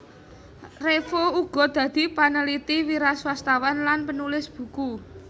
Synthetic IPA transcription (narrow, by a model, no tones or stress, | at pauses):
refouɡ̥ɔ̤d̪̥ä̤d̪̥i̤panəlit̪iwiɾaswast̪awanlanpənulɪsb̥ṳku